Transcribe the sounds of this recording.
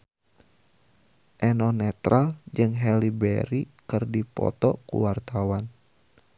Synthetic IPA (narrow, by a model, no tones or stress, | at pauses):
ʔɛnɔnɛt̪ɾald͡ʒɨŋɦɛlibɛ̰ɾikɨrdipɔ̰t̪ɔkṵwart̪awan